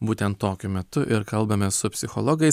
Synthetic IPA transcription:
buːt̪ʲɛnt̪t̪oːkʲʊmʲɛt̪ʊʔɪɾkɐlˠbɐmʲɛsʊpʲsʲɪxɔ̰lˠɔɡɐɪs

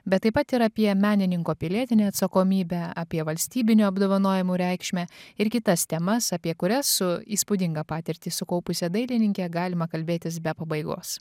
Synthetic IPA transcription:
bʲɛt̪ːɐɪpɐt̪ɪɾɐpʲiɛmʲæːnʲɪnʲɪŋkoːpʲɪlʲiɛt̪ʲɪnʲeːɐt̪sɐkoːmʲiːbʲɛɑ̰ːpʲiɛʋɐlʲsʲt̪ʲiːbʲɪnʲuːɐbd̪oːʋɐnoːjɛmuːɾʲɛˑɪkʃʲmʲɛɪɾkʲɪt̪ɐst̪ʲɛmɐsɐpʲiɛkʊɾʲɛsːʊiːspʊd̪ʲɪŋɡɐpɑːt̪ʲɪɾʲt̪ʲiːsʊkɐʊpʊsʲɛd̪ɐɪlʲɪnʲɪŋʲkʲɛɡɑːlʲɪmɐkɐlʲbʲeːt̪ʲɪs̬bʲɛpɐbɐɪɡo̰ːs

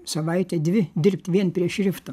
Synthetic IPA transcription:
sɐʋɐɪt̪ʲɛd̪ʲʋʲɪd̪ʲɪrʲpʲt̪ʲʋʲiɛnpʲɾʲiɛʃʲɾʲɪft̪o

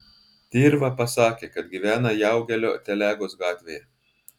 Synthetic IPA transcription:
t̪ʲeːɾʋɐpɐsɑːkʲeːkɐt̪̚ɡʲiʋʲæːnɐjæˑʊɡʲɛlʲo̰ːt̪ʲɛlʲæːɡoːsɡɑːt̪ʲʋʲeːjɛ

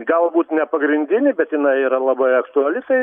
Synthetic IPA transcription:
ɡɐlˠbuːt̪nʲɛpɐɡɾʲɪnʲd̪ʲɪnʲɪbʲɛt̪jɪnɐɪiːɾɐlˠɐbɐɪɐkt̪ʊɐlʲɪt̪ɐɪ

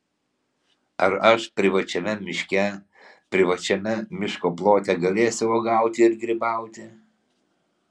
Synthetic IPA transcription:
ɐɾɐʃpʲɾʲɪʋɐt͡ʃʲɛmʲɛmʲɪʃʲkʲɛ | pʲɾʲɪʋɐt͡ʃʲɛmʲɛmʲɪʃkoːplˠoːt̪ʲɛɡɐlʲeːsʲɪʋoɡɑˑʊt̪ʲɪɪɾɡʲɾʲɪbɑˑʊt̪ʲɪ

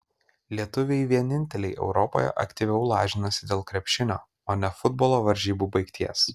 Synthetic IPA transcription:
lʲiɛt̪ʊʋʲejʋʲiɛnʲɪnʲt̪ʲɛlʲɛɪʔɛ̰ʊɾɔpo̰jɛ̰ʔɐ̰kʲt̪ʲiʋʲɛʊlˠɑːʒʲɪnosʲɪd̪ʲeːlˠkɾʲɛpʲʃʲɪnʲo̰ː | oːnʲɛfʊd̪bolˠoːʋɐɾʲʒʲiːbuːbɐɪkt̪ʲʰiɛs

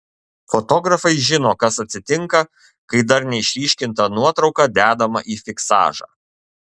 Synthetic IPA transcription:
fɔt̪ɔɡɾɐfɐɪʒʲɪnoːkɐsɐt̪ʲsʲɪt̪ʲɪŋkɐ | kɐɪd̪ɐɾnʲɛɪʃʲlʲiːʃʲkʲɪnt̪ɐnuɔt̪ɾɒʊkɑːd̪ʲæːd̪ɐmɐ̰ʔiːfʲɪksɑ̰ːʒɑ̰ː

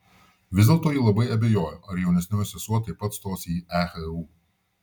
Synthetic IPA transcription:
ʋʲɪzd̪ʲɛlˠt̪oːjiːlˠɐbɐɪɐbʲɛjoːjoːʔɐɾjɛʊnʲɛsnʲoːjsʲɛsuɔt̪ɐɪpːɐt̪st̪oːsʲiːæxɛuː

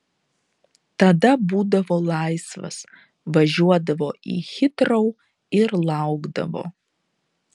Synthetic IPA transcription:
t̪ɐd̪ɐbuːd̪ɐvoːlˠɑɪsʋɐ̰s | ʋɐʒʲuɔd̪ɐvoːʔḭxʲɪt̪ɾoʊ | ɪɾlˠɑʊɡd̪ɐ̰vo̰ː

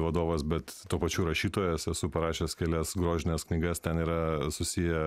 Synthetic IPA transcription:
ʋɐd̪oːʋɐsbʲɛt̪t̪ːuːpɐt͡ʃʲuːɾɐʃʲiːt̪oːjɛsɛsʊpɐɾɑːʃʲeːskʲɛlʲɛsɡɾoːʒʲɪnʲɛsknʲɪɡɐst̪ʲɛniːɾɐsʊsʲijɛ

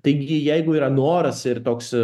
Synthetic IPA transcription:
t̪ɐɪɡʲɪjɛɪɡʊiːɾɐnoːɾɐsɪrt̪oːks

